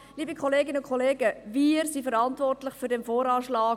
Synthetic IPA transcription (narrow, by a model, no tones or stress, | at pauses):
liːbəkʰχoleːɡɪnəʊnkʰoleːɡəviəɾsifəɾɑntvɔrtlɪχfyɾdɛmfoːɾɑːʃlɑː